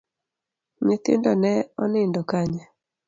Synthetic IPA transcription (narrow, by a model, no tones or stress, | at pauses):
ɲet̪ɪ̰ndɔnɛɔnɪndɔkaɲa